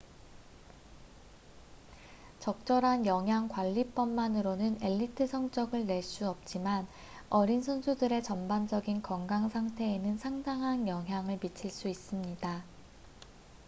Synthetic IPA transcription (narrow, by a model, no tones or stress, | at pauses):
t͡ɕʌk̚t͡ɕ͈ʌɾɦanjʌŋɦjaŋkwaʎːip͈ʌmːanɯɾonɯne̞ʎːitʰɯsʰʌŋt͡ɕ͈ʌɡɯɭne̞ɭs͈uʌp̚t͡ɕ͈iman | ʌɾinsʰʌnsʰudɯɾe̞t͡ɕʌnband͡ʑʌɡinkʌŋɡaŋsʰaŋtʰe̞ːnɯnsʰaŋdaŋɦanjʌŋɦjaŋɯɭmit͡ɕʰiɭs͈uis͈ɯmɲida